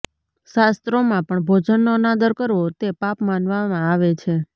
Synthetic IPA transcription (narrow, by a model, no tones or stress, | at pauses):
ʃast̪ɾomãpəɳbʱod͡ʒənːonad̪əɾkəɾʋot̪epapmanʋamãaʋet͡ʃʰe